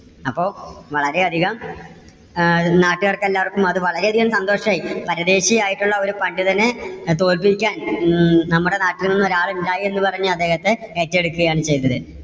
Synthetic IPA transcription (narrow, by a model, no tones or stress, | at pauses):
ɐpːo̞ːʋɐɭɐɾe̞ɐd̪ʱiɣɐm | naːʈːɨɣɐrkːɐelːaːʋɐrkːumɐðɨʋɐɭɐɾe̞ɐd̪ʱiɣɐmsɐnd̪o̞ːʂɐmaːjipɐɾɐd̪e̞ːɕijaːjiʈːuɭːɐo̞ɾupɐɳɖɨt̪ɐnːe̞t̪o̞ːlpikʲːaːnnɐmːuɽe̞naːʈːilninːoɾaːɭundaːjienːupɐrɐɲːuɐd̪ːe̞ːhɐt̪ːe̞etːe̞ɽukːuɣɐjaːɳɨt͡ɕejnːɐðɨ